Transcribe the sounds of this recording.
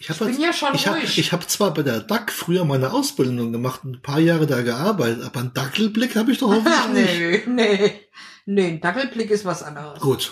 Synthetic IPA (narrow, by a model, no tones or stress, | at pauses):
ʔɪçhaːbḁɪnjaːʃonɪçhaːɪçhaːbət͡sv̥aːɐbaɪdeːɐdakfʁ̥yːɐmaɪnəʔaʊsb̥ɪldʊŋɡəmaχtʊnnpʰaːɐjaːʁədaːɡəʔaɐbaɪtətʔaːbɐndakl̩blɪkhaːbəɪçd̥ɔχhɔfnɪneɪne | nen̩d̥akl̩blɪkɪstv̥asʔa̰ndəʁəsɡ̥uːt